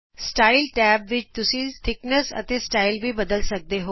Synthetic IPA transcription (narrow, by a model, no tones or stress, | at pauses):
sʈaːɪlʈɛːbʋɪt͡ʃt̪ʊsĩt̪ʰɪknəsə̰t̪esʈaːɪlʋibɐd̪əlsək̚d̪eɦoː